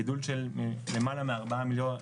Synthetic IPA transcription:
idulʃelmelemalameaʁbaamiljo

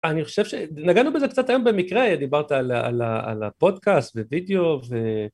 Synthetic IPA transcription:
aniχo̞̥ʃev̥ʃenaɡanubezekt͡sat̪ajo̞mbemikʁe̞d̪ibaʁt̪aalaa̰la̰a̰la̰po̞d̪kast̪vevid̪eo̞ve

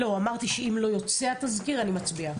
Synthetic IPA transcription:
lo̞amaʁt̪iʃeimlo̞jo̞t͡siat̪azkiʁanimat͡sbia

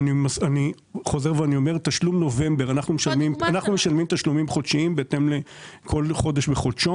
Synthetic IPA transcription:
nimasani | χo̞ze̞ʁveanio̞meʁt̪aʃlumno̞ve̞mbe̞ʁanaχnumeʃalmimanaχnume̞ʃalmimt̪aʃlumimχo̞dʃiimbeːt̪e̞mlekʰo̞lχo̞d̪eʃbeχodʃo

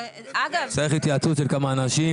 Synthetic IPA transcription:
sajeχit̪jaːt͡sut̪ʃelkamaːnaʃi

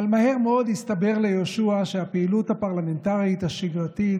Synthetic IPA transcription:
almaheʁmeo̞d̪hist̪abe̞ʁle̞joʃuaʃeapeiluthapaʁlamentaʁit̪haʃiɡʁat̪i

